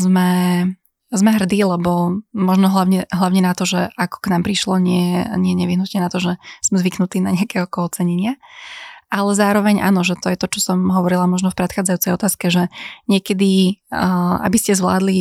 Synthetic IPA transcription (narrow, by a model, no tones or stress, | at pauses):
zmɛ | zmɛɦr̩d̪iːlɛbɔmɔʒnɔɦlaʊɲɛɦlaʊɲɛnat̪ɔʒɛʔakɔ̥knaːmpɾiʃlɔɲɪɛjɛɲɪɛɲɛʋiɦnut̪ɲɛnat̪ɔʒɛz̥mɛzʋiknut̪iːnaɲɛakɛɦɔkɔɔt͡sɛɲɛɲɪa | ʔalɛzaːɾɔʋɛɲʔa̰ːnɔʒɛt̪ɔjɛt̪ɔt͡ʃɔsɔmɦɔʋɔɾilamɔʒnɔfpɾɛt̪xaːd͡zajut͡sɛjɔt̪aːskɛʒɛɲɪɛkɛd̪i | a̰biscɛzʋla̰ːd̪li